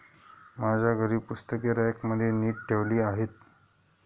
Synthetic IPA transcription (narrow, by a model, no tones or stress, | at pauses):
mad͡zʱaɡʱəɾiːbpust̪əkeɾajəkməd̪ʱːjeniːʈ̚ʈʰeʋliːaɦet̪̚